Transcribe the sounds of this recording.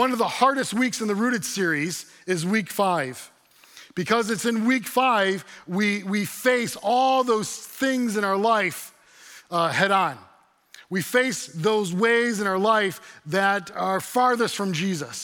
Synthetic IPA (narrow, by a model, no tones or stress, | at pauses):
ʌ̃nʌvðəhɑɹɾɨst̚wiksɨ̃nðɨɹʉɾɨd̥sɪɹiz | ɪzwikfaɪv̥ | b̥ɨkʰʌzɨtsɨ̃nwikfaɪvwiwifeɪsɔlˠðoʊz̥θɪ̃ŋzɨ̃ñaʊə˞laɪf | hɛɾn̩ | wifeɪsðoʊzweɪzɨ̃ñaʊə˞laɪfðɨɾə˞fɑɹðɨstfɹʌ̃md͡ʒizəs